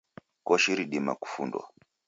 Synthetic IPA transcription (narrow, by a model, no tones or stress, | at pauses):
kɔʃiɾiɗima̰ku̥fṵndwa̰